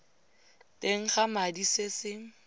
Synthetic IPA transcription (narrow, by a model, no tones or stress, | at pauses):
tʼeŋ̩χamadisesɪ